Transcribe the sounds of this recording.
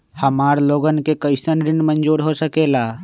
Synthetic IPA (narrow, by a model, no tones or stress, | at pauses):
həmaːɾloːɡənkekəɪsənɾɪnmənd͡ʒuːɾɦosəkeːlaː